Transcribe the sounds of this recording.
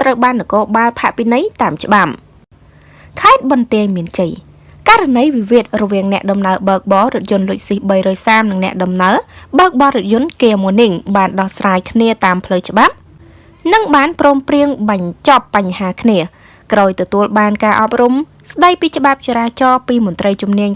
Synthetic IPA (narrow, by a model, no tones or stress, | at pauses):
t̪rəwɓaːnːɔkoːɓaːlpʰaʔpinɨjt̪aːmt͡ɕə̆ɓap | kʰaɛt̪̚ɓɑnt̪ɛəjmiənt͡ɕəj | kaɾanəjʋiʋiət̪̚rɔʋiəŋnɛ̆əʔɗɑmnaəɓəək̚ɓɑːɾʊ̆ət̪̚jʊ̆ənlʊəc̚sihɓəjrɔːjsaːmnɨŋnɛ̆əʔɗɑmnaəɓəːk̚ɓɑːɾʊt̪̚jʊ̆ənkeːmuəniŋɓaːnɗɑhsraːjkʰniət̪aːmpʰləwt͡ɕə̆ɓap̚ | nɨŋɓaːnprɔːmpriəŋɓaɲt͡ɕɑpːaɲhaːkʰniə | kraːjt̪ɔt̪uəlɓaːnkaːʔɑp̚rum | sɗəjpiːt͡ɕə̆ɓap̚t͡ɕeɾaːt͡ɕɑːpiːmʊ̆ənt̪rəjt͡ɕumniəɲ